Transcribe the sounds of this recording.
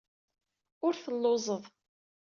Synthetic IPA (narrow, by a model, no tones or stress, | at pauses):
ʊɾθəlːozˤəðˤ